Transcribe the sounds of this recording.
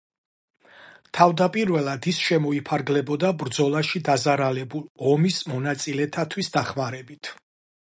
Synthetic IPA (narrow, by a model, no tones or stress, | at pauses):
t̪ʰavd̪apʼiɾvɛlˠad̪isʃɛmɔipʰaɾɡlɛbɔd̪abɾd̪zɔlˠaʃid̪azaɾalɛbulˠɔmismɔnat̪sʼilɛt̪ʰat̪ʰwisd̪aχmaɾɛbit̪ʰ